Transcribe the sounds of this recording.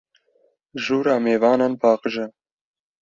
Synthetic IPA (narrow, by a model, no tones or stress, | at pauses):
ʒuːɾɑːmeːvɑːnɑːnpʰɑːqəʒɛ